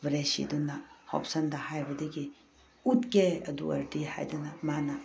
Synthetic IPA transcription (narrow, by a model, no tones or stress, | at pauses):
ʋɾesḭd̪unːahɔ̰psɐnd̪ahajbɐd̪eɡi | ut̪keɐ̰d̪ṵɐ̰ɾʈiha̰jd̪ɐnɐmanɐ